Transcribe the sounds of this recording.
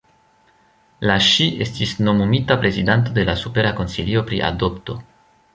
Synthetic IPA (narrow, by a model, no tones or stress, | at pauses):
laʃie̞stisno̞mumitapɾe̞zidant̬o̞de̞lasupe̞ɾako̞nsilio̞pɾḭʔa̰do̞pto̞